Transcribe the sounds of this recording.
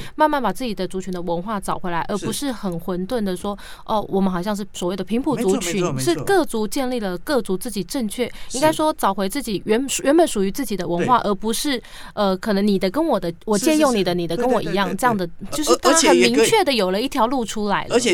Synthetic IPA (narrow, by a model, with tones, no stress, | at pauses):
ma˥˧nma˥˩npa˨˩t͡sɹ̩˥˩t͡ɕi˨˩d̪ə˦t͡su˧˥t͡ɕʰy˧˥nd̪ə˧wə˧˥nxwa˥˩t͡sɑ˨˩ʊxwe˧˥ɪla˧˥ɪə˞˧˥pu˧˥ʂɻ̩˥˩xə˨˩nxwə˧˥nt̪wə˥˩nd̪ə˩ʂwɔ˥ | ʔɔ˥˩wɔ˨˩mə˦nxɑ˨˩ʊɕjɑ˥˧ŋʂɻ̩˥˩swɔ˨˩we˥˩ɪd̪ə˩pʰi˧˥ŋpʰu˨˩t͡su˧˥t͡ɕʰy˧˥nʂɻ̩˥˧kɤ˥˩t͡su˧˥t͡ɕjɛ˥˧nli˥˩lə˩kɤ˥˩t͡su˧˥t͡sɹ̩˥˩t͡ɕi˨˩ʈ͡ʂɤ˥˧ŋt͡ɕʰɥɛ˥˩i˥ŋka˥ɪʂwɔ˥t͡sɑ˨˩ʊxwe˧˥ɪt͡sɹ̩˥˩t͡ɕi˨˩ɥɛ˧˥n˨ɥɛ˧˥nbə˨˩˦nʂu˨˩y˧˥t͡sɹ̩˥˩t͡ɕi˨˩d̪ə˦wə˧˥nxwa˥˩ʔə˧˥pu˧˥ʂɻ̩˥˩ | ə˧kʰɤ˨˩nə˧˥ŋni˨˩d̪ə˦kə˥nwɔ˨˩d̪ə˦wɔ˨˩t͡ɕjɛ˥˧njo˥˩ŋni˨˩d̪ə˦ni˨˩d̪ə˦kə˥nwɔ˨˩i˧˥jɑ˥˧ŋʈ͡ʂɤ˥˧jɑ˥˩ŋd̪ə˩t͡ɕjo˥˧ʂɻ̩˥˧˩t̪ʰxə˨˩mi˧˥ŋt͡ɕʰɥɛ˥˩d̪ə˩jo˨˩ʊlə˦i˥˩t̪ʰjɑ˧˥ʊlu˥˩ʈ͡ʂʰu˥la˧˥ɪlə˧˨